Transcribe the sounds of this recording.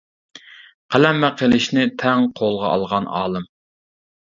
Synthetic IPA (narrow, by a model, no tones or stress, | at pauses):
qʰælɛmːæqʰelɪʃnɪt̪ʰɛŋqʰolˠʁɑʔɑ̰lˠʁɑnɑ̰ːlˠɨm